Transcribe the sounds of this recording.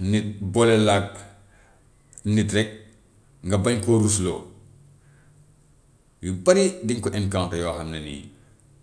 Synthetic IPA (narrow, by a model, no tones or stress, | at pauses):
nibɔlɛlak̚ | nitɾɛk̚ | ŋɡɐbɐɲkoɾus̬lo̰ː | jubɐɾidiŋkɔʔɛnkawntɐjɔxɐmnɐnḭjḭ